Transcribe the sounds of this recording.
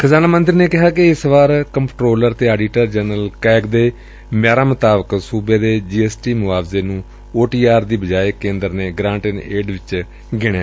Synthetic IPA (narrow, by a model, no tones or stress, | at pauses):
kʰəzaːnaːmənd̪ɪɾneːkɪɦaːkɪɪsʋaːɾkəmpʈɾoːləɾt̪eːaːɖiːʈəɾd͡ʒɛːnəlkɛːɡd̪eː | mjaːɾaːmət̪aːbəksuːbeːd̪eːd͡ʒiːɛːsʈiːmʊʋaːbzeːnũː | oːʈiːaːɾd̪iːbəd͡ʒaːekẽːnd̪əɾneːɡɾãːɳʈəneːɖʋɪt͡ʃ | ɡɪɽ̃eː